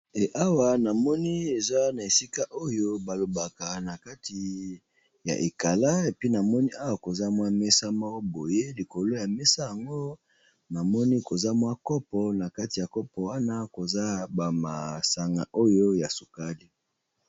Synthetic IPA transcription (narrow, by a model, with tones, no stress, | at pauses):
e˨ʔa˦wa˨na˨mɔ˦ni˦e˨za˦na˨e˨si˦ka˦ʔo˦jo˦ba˨lo˨ba˨ka˨na˨ka˦ti˨ | ja̰˨ʔe˨ka˨la˦e˨pi˦na˨mɔ˦ni˦ʔa˦wa˦ko˨za˦mwa˦me˦sa˦ma˦o˦bo˨je˦li˨ko˨lo˦ja˨me˦sa˦ja˨ŋɡo˦ | na˨mɔ˦ni˦ko˨za˦mwa˦kɔ˦pɔ˨na˨ka˦ti˨ja˨kɔ˦pɔ˨wa˦na˦ko˨za˦ba˨ma̰˨sa˨ŋɡa̰˨ʔo˦jo˦ja˨su˨ka˦li˦